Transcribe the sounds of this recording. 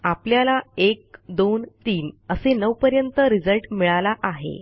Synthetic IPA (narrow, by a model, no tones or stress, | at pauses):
apljalaek̚d̪ont̪iːnəsenəʋpəɾjənt̪əɾid͡zəlʈmiɭalaʔaɦḛ